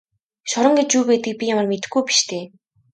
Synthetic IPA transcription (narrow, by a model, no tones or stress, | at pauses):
ʃɔɾə̆ŋɡet͡ɕuːpeːt̪ɘ̆k̚pʲijamə̆rmet̪ɘ̆xɡujpi̥ʃt̪ʰeː